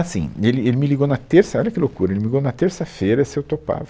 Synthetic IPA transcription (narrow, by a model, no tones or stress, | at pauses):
asḭ̃elɪelɪmɪliɡonɐt̪eɾsɐɔʎɐkɪlokuɾɐelɪmɪliɡownɐt̪eɾsɐfejɾɐsɪewt̪opa̰vɐ